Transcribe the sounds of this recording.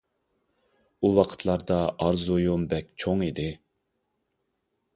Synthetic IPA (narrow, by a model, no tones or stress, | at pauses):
uwɑqʰə̥t̪ʰlˠɑɾd̪ɑʔɑɾzujombɛk̚ʲt͡ʃʰoŋid̪ɪ